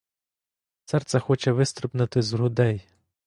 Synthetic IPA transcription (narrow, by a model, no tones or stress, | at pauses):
sɛrt̪sɛxɔt͡ʃɛʋɪst̪ɾʊpnɐt̪ɪzɾʊd̪ɛj